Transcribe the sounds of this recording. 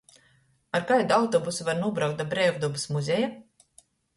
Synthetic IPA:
aɾkajd̪awt̪ɔbusuvaɾnuɔbɾawk̚t̪d̪abɾɛvd̪ɔbɨsmuzʲɛja

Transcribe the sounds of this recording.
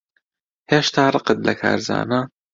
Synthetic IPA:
heːʃt̪ʰaːrˤɨqɨt̪̚lʔɐkʰa̰ːɾza̰ːna

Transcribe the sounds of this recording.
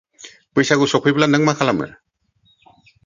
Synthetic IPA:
pɯjsaɡusɔpʰɯjblanəŋmakʰalamɯ̰na

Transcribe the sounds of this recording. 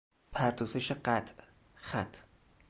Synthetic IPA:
pʰæɾd̪ozeʃeɢæt̪ʰʔ | xæt̪ʰ

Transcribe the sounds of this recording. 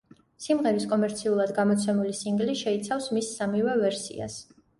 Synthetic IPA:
simʁɛɾiskʼɔmɛɾt̪sʰiulˠad̪ɡamɔt̪sʰɛmulisiŋɡliʃɛit̪sʰafsmisːamivɛvɛɾsḭa̰s

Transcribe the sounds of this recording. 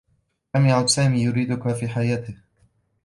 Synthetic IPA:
lamjaʕʊd̪saːmiːjʊɾiːd̪ʊkafiːħajaːt̪ɪh

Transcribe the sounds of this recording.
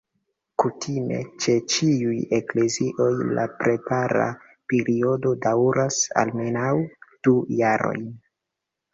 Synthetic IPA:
kutʰime̞̰t͡ʃe̞t͡ʃiuje̞kle̞ziʔo̞jla̰pɾe̞paɾa̰ | pe̞ɾio̞do̞dawɾʔasa̰lme̞nawd̥ujaɾo̞̰jn

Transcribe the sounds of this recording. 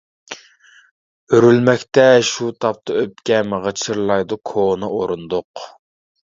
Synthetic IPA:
øɾylmɛkʲt̪ɛʃut̪ʰɑp̚t̪ʰɨøpkʲɛmʁət͡ʃʰɨɾlˠɑjd̪ukʰonɨʔoɾund̪oq

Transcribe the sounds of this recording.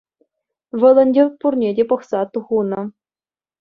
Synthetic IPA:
ʋɤ̆lˠɤ̆nʲdʲerpurnʲedʲepɤ̆χsɑt̪uʁunɤ̆

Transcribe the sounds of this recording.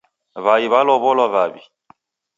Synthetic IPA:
βaiβalɔβɔlɔβaβḭ

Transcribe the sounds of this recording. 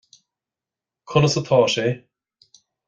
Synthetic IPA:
kʰʊnəsət̪ʰɔːʃe

